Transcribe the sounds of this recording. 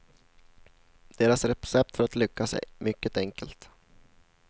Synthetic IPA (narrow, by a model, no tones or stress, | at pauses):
d̪̥eːɾasɾɛsɛp̚t̪fœɾat̪lʏkːasɛ̰mʏkːət̪ɛŋkəlt̪